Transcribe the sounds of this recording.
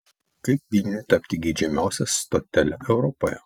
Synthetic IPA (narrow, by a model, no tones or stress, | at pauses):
kɐɪp̚ʋʲilʲnʲɪt̪ɐpʲt̪ʲɪɡʲiːd͡ʒʲɛmʲæˑʊsʲɛst̪ɔt̪ʲɛlʲɛʔɛʊɾɔpojɛ̰